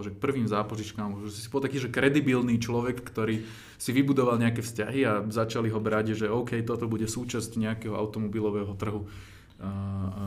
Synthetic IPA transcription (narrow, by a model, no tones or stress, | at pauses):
ʒɛk̚pr̩ʋiːmzaːpɔʒit͡ʃkaːmɔʒɛsi̥si̥pɔlt̪akiːʒɛkɾɛd̪ibilniːt͡ʃlɔʋɛkːt̪ɔɾiː | siʋibud̪ɔʋalɲɛakɛfsca̰ɦiazat͡ʃaliɦɔbɾaɟʒɛɔʊkɛjt̪ɔt̪ɔbuɟɛsuːt͡ʃascɲɛakɛɦɔʔa̰ʊt̪ɔmɔbilɔʋɛɦɔt̪r̩ɦu